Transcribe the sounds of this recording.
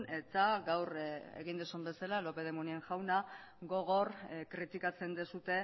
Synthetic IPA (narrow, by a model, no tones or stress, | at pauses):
ne̞t̪aɡawrḛɣind̪osumbe̞salalo̞pe̞ð̞emunieŋʝawna | ɡo̞ɣ̞o̞rkɾit̪ikat͡se̞nd̪esut̪e̞